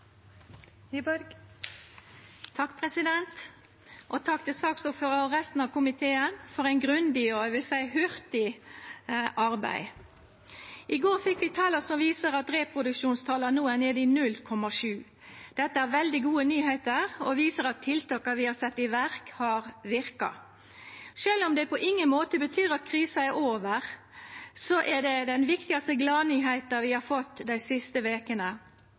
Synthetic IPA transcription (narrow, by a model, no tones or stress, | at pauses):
bɾ | t̪ʰɑkːpʰɾɛsɪd̪ɛnt̪ | ʔɔt̪ʰɑkt̪ʰɪsɑksɔføːʁɑɾɛst̪n̩ɑʋkʰʊmɪt̪ʰeːənfɔɾæɪnɡʁʉnd̪ɪɔɛʋɪlsæɪhʉɾt̪ɪ | ʔɑɾbæ̰ɪ | ʔɪɡoːɾfɪkːʋɪt̪ʰɑːləsɔmʋiːsəɾɑt̪ɾeːpʰʁʊd̪ʉkʃuːnst̪ʰɑːlənuːəneːd̪ɪːnʉlkʰɔmɑʂʉː | d̪̥ɛt̪ːəæɾʋɛld̪ɪɡuːənyːhæɪt̪əɾɔʋiːsəɾɑt̪ʰːɪlt̪ʰɑːkːɑʋɪhɑsɛt̪ːɪʋæɾkhɑɾʋɪɾkɑ̰ | ʃøːlɔmd̪ɛpʰɔʔɪŋːənmoːt̪əbət̪ʰyːɾɑt̪̚kʰɾiːsɑæɾʔoːʋəʁ | sɔʔɛd̪ɛd̪ɛnʋɪkt̪ɪɡɑst̪əɡlɑːnyːɦæɪt̪əʋɪhɑɾfɔt̪ːd̪æɪsɪst̪əʋeːkənə